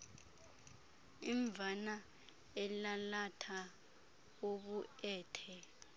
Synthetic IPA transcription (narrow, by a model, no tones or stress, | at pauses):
iɱvʱana | ɛlalatʰa | oɓuɛːtʰɛ